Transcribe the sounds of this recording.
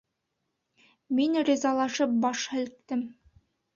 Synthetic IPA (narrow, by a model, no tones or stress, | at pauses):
minɾʲizɑlˠɑʃɤp̚bɑʃhæ̆lk̚t̪ːɘm